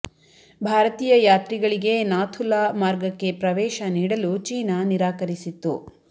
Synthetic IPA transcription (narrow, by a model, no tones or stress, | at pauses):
bʱaːɾɐt̪iːjɐjaːt̪ɾiɡɐɭiɡe̞naːt̪ʰulamaːɾɡɐkːe̞pɾɐʋɛːʃɐniːɽɐlut͡ʃiːnaniɾaːkɐɾisit̪ːṵ